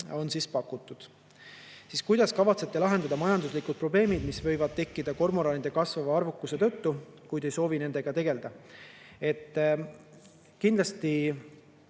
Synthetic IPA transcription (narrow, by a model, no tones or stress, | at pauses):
o̞nsispɑkːˑut̪ːˑud̪̥ | siːskujd̪̥ɑskɑvɑt̪se̞t̪ːe̞lɑɦe̞nd̪ɑd̪ɑmɑjɑnd̪uslikud̪̚pro̞ble̞ːmid̪misvɤ̞jvɑd̪̥̚t̪e̞kːid̪̥ɑko̞rmoɾɑnid̪̥e̞kɑsvɑvɑɑrvukːˑuse̞t̪ɤ̞t̪ːukujd̪e̞jso̞ːvine̞nd̪̥e̞ɡ̥ɑt̪e̞ɡ̥e̞ld̪ɑ | e̞t̪ːˑ | kind̪lɑst̪i